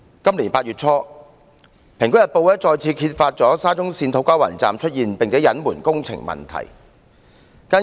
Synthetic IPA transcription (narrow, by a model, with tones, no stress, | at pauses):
kɐ˥mliː˨˩npaː˧t̚ɥyː˨˩t̚t͡sʰɔː˥ | pʰɪ˨˩ŋkjɐ˨t̚po˧wɛː˥t͡sɔː˧jt͡sʰiː˧kʰiː˧t̚faː˧t̚t͡sɔː˨˥saː˥t͡sʊ˥ŋsiː˧nt̪ʰo˨˥wkaː˥wɐ̰ː˨˩nt͡sa̰ː˨mt͡ʃʰɵ˥t̚jiː˨npe˨ŋte˨˥jɐ˨˥nmuː˨˩nkʊ˥ŋt͡sʰɪ̰˨˩ŋmɐ̰˨˩nt̪ʰɐ̰˨˩j | kaː˥